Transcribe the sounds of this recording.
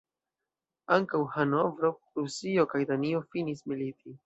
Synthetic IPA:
aŋkawhanovɾoɾusio̞kajdanio̞finismilitʰi

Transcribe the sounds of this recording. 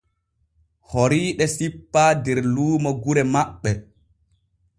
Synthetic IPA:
hoɾiːɗɛsipːaːdɛɾluːmɔɡuɾɛmaɓːɛ

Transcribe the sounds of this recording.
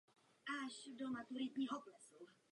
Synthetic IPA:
aʃdomat̪uɾɪt̪ɲiɦɔplɛsoa

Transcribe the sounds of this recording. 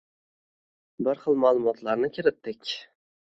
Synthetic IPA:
bɪɾχɨlˠmalˠʊmɒt̪ʰlaɾnɪkʲʰɪɾɪt̪ːɪkʲ

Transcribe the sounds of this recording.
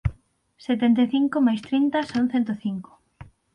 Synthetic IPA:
set̪ent̪̬eθiŋkomajst̪ɾint̪ɐsaŋ̟̃θent̪oθiŋko̥

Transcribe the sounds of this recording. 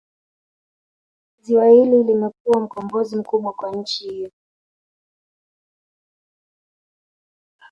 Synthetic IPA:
ziwahililimɛk̚uam̩kɔmbɔzim̩kuɓwakwaɲ̩t͡ʃihijɔ

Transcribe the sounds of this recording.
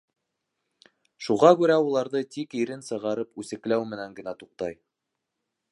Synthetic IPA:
ʃuʁɑkʉɾæulˠɑɾðɤt̪ikiɾɘnsɤ̆ʁɑɾɤpʉsɘ̆klæwmɘ̆næŋɡɘ̆næt̪uq̚t̪ɑj

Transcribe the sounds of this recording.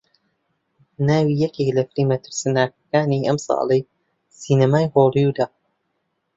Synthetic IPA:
naːwiːjɛkeklɐfɾiːmɐt̪ʰɨɾsɨnaːk̚ɐkaːniɐmsɑ̰ːlˠej | siːnɐmaːjhoːlˠijud̪aː

